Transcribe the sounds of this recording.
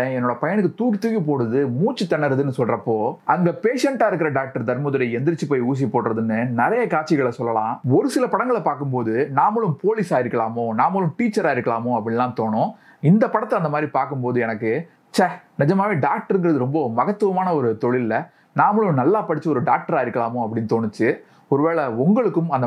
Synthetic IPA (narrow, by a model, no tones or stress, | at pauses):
ẽɛnːoːɽɐpɐjɐɳɯk̬ːɯt̪uːkit̪uːɣipoːɽɯðɯmuːt͡ʃːɯt̪ːɐɳːɐɾɐðɯnːɯsɔlɾɐpːoːʔɐŋɡɐpeːʂɐɳʈaːɪɾɯkːɪɾɐɖaːk̚ʈɐɾt̪ɐɾmɐðɯɽɐɛnd̪ɪɾɪt͡ʃːɯpoːjuːs̬ipoːɽɾɐðɯnːɯnɪɾɐjɐkaːʈt͡ʃːɪɣɐɭɐsɔlːɐlã̰ːɔɾɯsɪlɐpɐɽɐŋɡɐɭɐpaːɾkɯmpoːðɯnaːmɐɭɯmpoːlɪsaːjɪɾɯkːɐɭaːmõnaːmɐɭɯ̃mʈiːt͡ʃːɐɾaːjɪɾɯkːɐɭaːmõɐpːɐɽɪlãːt̪oːɳʊ̃ | ɪnd̪ɐpɐɽɐt̪ːɪlɐnd̪ɐmaːd̪ɾipaːɾkɯmpoːðɯɛnɐkːɯ | t͡ʃɐnɪd͡ʒɐmaːʋeːɖaːk̚ʈɐɾɯnŋɡɪɾɐðɯɾɔmbɐmɐɣɐt̪ːɯʋɐmaːnɐɔɾɯt̪ɔɭɪlːɐ | naːmɐɭɯ̃nɐlːaːpɐɽɪt͡ʃːɯɔɾɯɖaːk̚ʈɐɾaːjɪɾɯkːɐɭaːmʊ̃ɐpːɐɽɪnːt̪oːɳɯt͡ʃːɯ | ɔɾɯʋeːɭɐʊŋɡɐɭɯkːɯmɐnd̪